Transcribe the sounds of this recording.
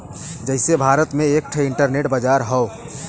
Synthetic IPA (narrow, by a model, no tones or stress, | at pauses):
d͡ʒəɦɪsebʱaːɾət̪mẽek̚ʈʰɪɳʈəɾneʈbəd͡ʒaɾɦəo